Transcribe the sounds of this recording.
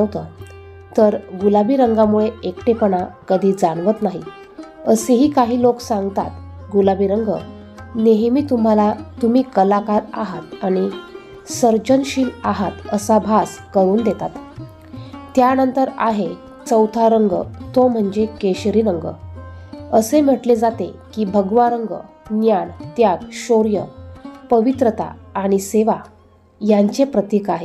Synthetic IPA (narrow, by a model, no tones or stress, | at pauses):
wt̪ə | t̪əɾɡulabiːɾəŋɡamuɭeekʈepəɳakəd̪ʱiːd͡zaɳʋət̪naɦi | əseɦiːkaɦiːloksaŋɡt̪a̰t̪ | ɡulabiɾəŋɡə̰ | neɦmiːt̪um̤alat̪um̤iːkəlakaɾaɦat̪aɽ̃i | səɾd͡ʑənɕiːlaɦat̪əsabʱaskəɾuːnd̪et̪at̪ | t̪janənt̪əɾa̰ɦe | t͡səwt̪ʰaɾəŋɡət̪om̤əɳd͡ʑekeɕɾiɾəŋɡə̰ | əsem̤əʈled͡zat̪ḛkiːbʱəɡʋaɾəŋɡə̰ | njaɳt̪jaɡɕoɾjəpəʋit̪ɾət̪a̰ːɽ̃iseʋa | jaɲt͡ɕepɾət̪ikaɦe